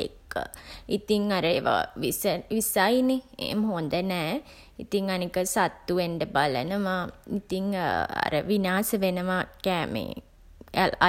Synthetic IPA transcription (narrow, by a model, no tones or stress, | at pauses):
ḛkːə̰it̪iŋaɾəeːʋa̰ʋisəʋisajneḛːmɦond̪ənɛː | ḭt̪iŋanikəsat̪ːuʋeɳɖəbalə̰nəmait̪iŋa̰ɾəʋinaːsəʋenəʋakɛːmḛ